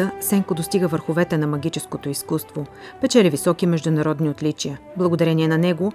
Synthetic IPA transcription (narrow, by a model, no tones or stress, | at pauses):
əsɛŋkod̪ost̪iɡəvəɾxʊvɛt̪ɛnɐmɐɡʲit͡ʃɛskot̪oiskust̪vo | pɛt͡ʃɛlʲivisɔkimɛʒd̪ʊnɐɾɔd̪niot̪lit͡ʃijə | blˠɐɡod̪ɐɾɛniɛnɐnɛɡo